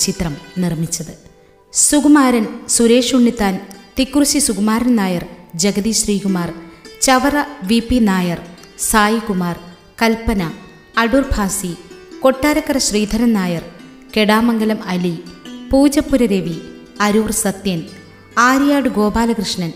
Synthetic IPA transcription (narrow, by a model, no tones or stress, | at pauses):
t͡ɕit̪rɐmnirmit͡ɕːɐðɨ | suɡumaːɾɐnsuɾe̞ːʂuɳːit̪ːaːnt̪ikrusisuɡumaːɾɐnnaːjɐrd͡ʑeɡɐðiɕriːɡumaːrt͡ɕɐʋɐrɐʋipːinaːjɐr | saːjikumaːr | kɐlpːɐnɐː | ɽurbʱaːsiko̞ʈːaːɾɐkːɐrɐɕriːd̪ʱɐnɐnnaːjɐr | ke̞ɽaːmɐŋɡɐlɐmɐlipuːd͡ʑɐpːuɾɐɾeʋi | ɐɾuːrsɐt̪jɐn | aːɾjaːɽɨɡo̞ːbaːlɐkrɨʂɳɐn